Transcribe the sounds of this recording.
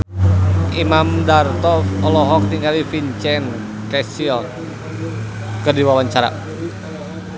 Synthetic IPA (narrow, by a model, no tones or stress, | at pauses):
imamdart̪ɔfɔlɔɦɔk̚t̪iŋɡalifint͡ʃɛn | kɛsiɔl | kədiwawaɲt͡ʃaɾa̰